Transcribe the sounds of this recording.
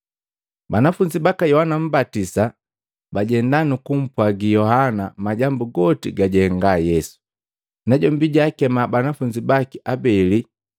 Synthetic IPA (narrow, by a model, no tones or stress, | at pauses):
banafuɲd͡ʒibakajɔhanam̩batisa | baɟɛndanukum̩pwaɡijɔhanamaɟambuɡɔtḭɡaɟɛŋɡajɛsu̥ | nɛɟɔmbiɟaːkɛmabanafuɲd͡ʒibakiʔabɛli